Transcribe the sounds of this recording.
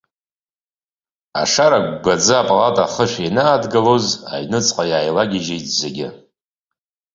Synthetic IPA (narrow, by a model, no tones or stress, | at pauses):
a̰ʂaɾaɡʷɡʷad͡zɨapʼalatʼaχəʃʷᶣenaːdɡaloza̰jnɨt͡sʼqʼajaːjlaɡʲɪʒejtʼzeɡʲɪ